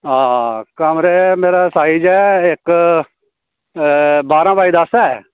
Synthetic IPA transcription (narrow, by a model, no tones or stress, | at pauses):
aːkəmɾeːmeːɾaːsaːid͡ʒɛːɪk | baːɾãːbaːiːd̪əsɛː